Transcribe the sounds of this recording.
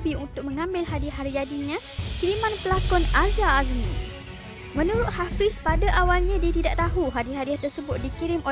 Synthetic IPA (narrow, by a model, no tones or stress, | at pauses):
biunt̪ʊk̚məŋãmbɪlɦadiɦaɾijadiɲãkiɾimãnpəlakɔnazaːzmi | mənuɾʊt̪̚hafɪspadaʔawalɲãdit̪idaʔt̪aɦuɦadiɦadiaht̪ərsəbʊt̪̚dikiɾɪmo